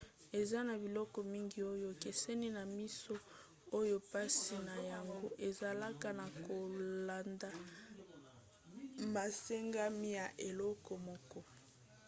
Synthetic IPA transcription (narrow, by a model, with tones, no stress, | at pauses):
e˨za˦na˨bi˨lɔ˦kɔ˨mi˦ŋɡi˦o˦jo˦˨ke˨se˦ni˦na˨mi˦so˦ | o˦jo˦pa˦si˨na˨ja˨ŋɡo˦ʔe˨za˨la˦ka˨na˨ko˨la˨nda˨ | ma˨se˦ŋɡa˦mi˦ja˨ʔe˨lɔ˦kɔ˨mɔ˦kɔ˦